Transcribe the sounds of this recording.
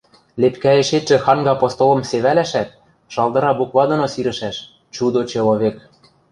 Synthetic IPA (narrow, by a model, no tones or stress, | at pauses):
lepkæeʃet̪ʒɘ̆xɑnɡɑpost̪olɤ̆mseβælæʃæt̪̚ | ʃɑlˠd̪ɤ̆ɾɑbukβɑd̪ŏnosiɾɘ̆ʃæʃ | t͡ɕud̪ot͡ɕɤ̆loβek